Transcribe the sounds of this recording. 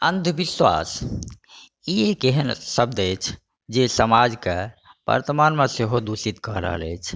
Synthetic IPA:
ənd̪ʱbiswa̰s | iekeɦənsəb̚d̪əjt͡ʃʰ | d͡ʒesəmad͡ʒkebə̰ɾt̪əmanmeseɦod̪usit̪kɔɦɾə̰ɦə̰lɛt͡ʃʰ

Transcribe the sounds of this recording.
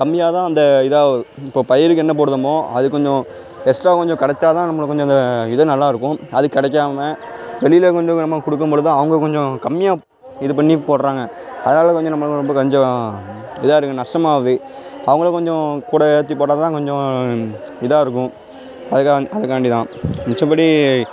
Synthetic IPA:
kɐmːɪjaːt̪ãːɐnd̪ɐɪðaːɪpːoːpɐjɐɾɯkːɯɛnːɐp̬oːɽɯðɐmoːɐðɯkːɔɲd͡ʒɔ̃ | ɛsʈɾaːkɔɲd͡ʒɔ̃kɐɽɛt͡ʃːaːt̪ãːnɐmːɐɭkɔɲd͡ʒɔ̃ɪnd̪ɐɪðɐnɐlːaːɪɾɯkːʊ̃ɐðɯkːɪɽɛkːaːmɐʋɛɭɪjɪlekɔɲd͡ʒɔ̃nɐmːɐkʊɽɯk̬ːɯmpoːɽɯðãːɐʋɐŋɡɐkɔɲd͡ʒɔ̃kɐmːɪjaː | ɪðɯpɐɳːipoːʈɾaːŋɡɐ | ɐðɐnaːlɐkɔɲd͡ʒɔ̃nɐmːɐɭɾɔmbɐkɔɲd͡ʒɔ̃ | ɪðaːɪɾɯkːɯ̃nɐʂʈɐmaːʋɐðɯ | ɐʋɐŋɡɐɭɐkɔɲd͡ʒɔ̃kuːɽɐɛɽɐt̪̬ːipoːʈːaːðɐt̪ãːkɔɲd͡ʒɔ̃ | ɪðaːɪɾɯkːʊ̃ | ɐðɐkaɐðɐkːaːɳɖit̪ãːnɪt͡ʃːɐ̃pɐːɽi

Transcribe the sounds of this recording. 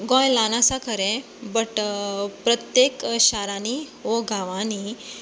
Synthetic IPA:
ɡɔ̃jlanasakʰəɾẽ | bəʈpɾət̪jekɕaɾanioɡʱaʋãni

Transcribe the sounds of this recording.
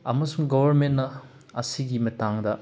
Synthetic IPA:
ɐmɐsuŋɡobɐɾmentnɐ | ɐsiɡimɐtaŋdɐ

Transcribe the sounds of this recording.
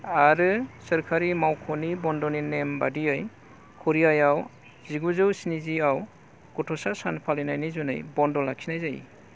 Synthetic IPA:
aɾɯsəɾkʰaɾimawkʰɔnibɔndɔninembadiaj | kʰɔɾiajaw | ziɡuzɯwsiniziaw | ɡ̥ɔtʰɔsasanpʰalinajnizunɯ̰jbɔndɔlaksʰinajzaj̰

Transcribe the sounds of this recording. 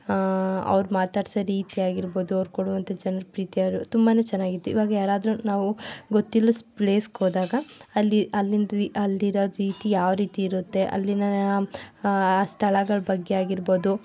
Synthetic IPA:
ɐ̰ʋɐɾumaːt̪aːɖisɐɾiːt̪iaːɡiɾbo̞ːd̪uɐʋɾkoɽuʋɐnt̪ʰɐd͡ʒɐnɐɾɐpɾiːt̪ijaːʋɾut̪umbaːne̞ːt͡ʃɛnːaːɡit̪ːuḭʋaːɡɐjaːɾaːd̪ɾunaːʋuɡot̪ːilːɐspɭeːskoːd̪aːɡɐːlːiɐlːind̪ɐlːiɾoːɾiːt̪ijaːʋɾiːt̪iːɾut̪ːe̞ʔɐ̰lːinɐn | st̪ʰɐɭɐɡɐɭɐbɐɡːeaːɡiɾbo̞ːd̪u

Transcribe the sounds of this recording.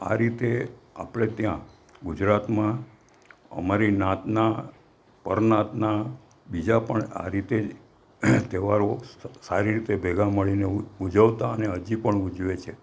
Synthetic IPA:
a̰ɾit̪ea̰pɭet̪jã | ɡud͡ʒɾat̪mã | ə̰maɾinat̪na | pəɾnat̪na | bid͡ʒapəɳa̰ɾit̪e | t̪eʋaɾosaɾiɾit̪ebʱeɡaməɭineud͡ʒəʋt̪aəneɦəd͡ʒipəɳud͡ʒʋet͡ʃʰe

